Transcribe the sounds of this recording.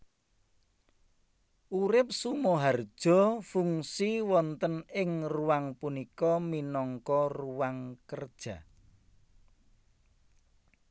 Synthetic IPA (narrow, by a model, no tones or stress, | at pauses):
ʔuɾɪp̚sumɔɦard̥ʒ̥ɔ̤fuŋsiwɔnt̪ənɪŋruwaŋpunikɔminɔŋkɔruwaŋkərd̥ʒ̥a̤